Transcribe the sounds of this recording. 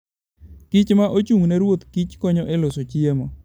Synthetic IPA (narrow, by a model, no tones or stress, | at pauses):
kit͡ʃmaʔot͡ʃuŋnɛɾwot̪kit͡ʃkɔɲɔʔelosot͡ʃiemɔ